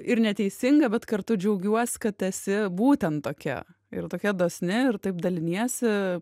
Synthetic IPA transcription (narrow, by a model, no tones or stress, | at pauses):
ɪɾnʲɛt̪ʲɛɪsʲɪŋɡɐbʲɛt̪kɐɾt̪ʊd͡ʒʲɛʊɡʲuɔsʲkɐt̪ɛsʲɪbuːt̪ʲɛnt̪tːoːkʲɛ̰ | ɪ̰ɾt̪oːkʲɛd̪oːsʲnʲɪɪɾt̪ɐɪp̚d̪ɐlʲɪnʲiɛsʲɪ